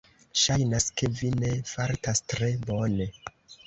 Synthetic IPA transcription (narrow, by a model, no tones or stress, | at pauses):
ʃajnaske̞vine̞faɾtastɾe̞bo̞ne̞